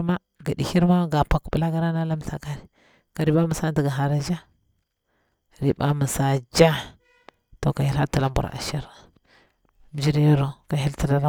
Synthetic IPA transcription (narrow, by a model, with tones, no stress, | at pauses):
ma˦ | ɡa˨dḭ˨hi˦ɾma˦ɡa˨pa˨kbə˦la˦ɡa˦ɾa˦na˦la˦m˨ɬa̰˨ka˦ɾi˨ | ka˨ɾi˦ba˦mə˨˦sa˦ndi˨ɡa˨ɦa˨ɾa˦d͡ʒa˦ | ɾi˨ba˦mə˨sa˨d͡ʒa˦ | to˨ka˨hi˦la˦ti˦˨la˦mbṵ˨ɾa̰˨ʃi˦ɾ | m˦d͡ʒi˦ɾi˦ja˦ɾo˨ka˨hi˦lti˦la˦la˦